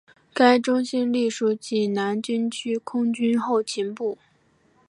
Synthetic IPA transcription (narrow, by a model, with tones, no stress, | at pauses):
ka˥ɪʈ͡ʂʊ˥ŋɕi˥nli˥˩ʂu˥˩t͡ɕi˥˩na˧˥nt͡ɕy˥nt͡ɕʰy˥kʰʊ˥ŋt͡ɕy˥nxo˥˩ʊt͡ɕʰi˧˥npu˥˩